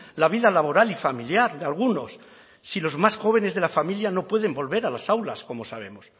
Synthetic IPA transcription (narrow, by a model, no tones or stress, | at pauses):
laβ̞iðalaβo̞ɾalifamiljaɾðealɣ̞uno̞sː | ilo̞zmasxo̞β̞e̞ne̞zðe̞lafamiljano̞pwe̞ð̞e̞mbo̞lβe̞ɾalasawlasko̞mo̞saβ̞e̞mo̞s